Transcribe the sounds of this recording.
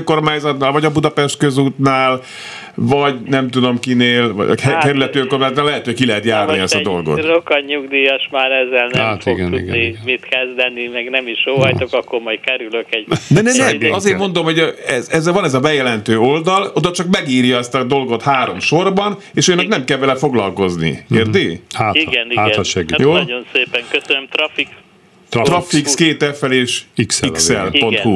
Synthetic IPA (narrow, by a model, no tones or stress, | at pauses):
ŋko̞rmaːɲzɒt̪naːlvɒɟɒbud̪ɒpɛʃt̪̚køzuːt̪naːl | vɒɟnɛmt̪ud̪o̞mkineːlvɒ̰kɛɾylɛt̪øŋko̞rmaːzɒt̪naːlɛɦɛt̪øːho̥kilɛɦɛt̪jaːrniɛst̪ɒd̪o̞̰lɡo̞̰trokɒɲuɡd̪iːjɔʃmaːɾɛzːɛlnmaʃt̪ioɡɛ̰tnuḭɡɛ̰nimit̪kɛzd̪ɛnːimɛɡnɛmiʃoːvɔjt̪okɒkːoɾmɒj̪kɛɾyløkɛɟnɛnɛnɛɒzeːrmo̞nd̪omho̞ɟɛzɛzːɛlvɒnɛzɒbɛjɛlɛnt̪øːo̞ld̪ɒlod̪ɒt͡ʃɒkmɛɡiːrjɒɛst̪ɒd̪o̞lɡo̞t̪haːɾo̞mʃo̞rbɒn | eːʃojnːɛknɛmkɛlvɛlɛfo̞ɡlɒlko̞znḭeːrd̪eːhaːtiɡɛniaːʃɛɡijoːɟo̞nseːpɛŋkøsønømt̪rɒfik | t̪ɾt̪rɒfikskeːt̪ɛfɛleːʃiksilksɛ̰lpo̞nhu